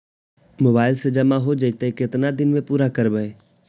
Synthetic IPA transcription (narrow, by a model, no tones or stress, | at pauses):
moːbaːɪlsed͡ʒɐmaɦod͡ʒəit̪ekɪt̪nad̪ɪnmẽpuːɾakəɾbəeː